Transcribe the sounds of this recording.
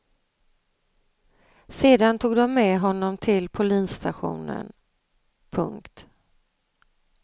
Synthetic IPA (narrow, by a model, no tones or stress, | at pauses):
seːd̪ant̪ʰuːɡd̪ɔmːɛɦɔnːɔmt̪ʰɪlpʰʊliːnst̪aɧṵːnə̰n | pʰɵ̰ŋkt̪